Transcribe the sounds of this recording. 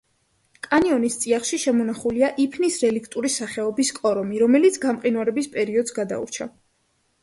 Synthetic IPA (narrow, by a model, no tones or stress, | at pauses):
kʼaniɔnist̪sʼiaχʃiʃɛmɔnaχuliaʔipʰnisɾɛlikʰt̪ʼuɾisaχɛɔbiskʼɔɾɔmiɾɔmɛlit̪sʰɡamqʼinwaɾɛbispʼɛɾiɔd̪zɡad̪a̰ṵɾt͡ʃʰa